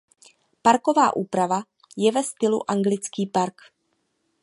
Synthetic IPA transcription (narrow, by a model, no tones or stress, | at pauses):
paɾko̞vaːʔuːpɾava | jɛvɛst̪ɪlṵʔaŋɡlɪt͡skiːpaɾk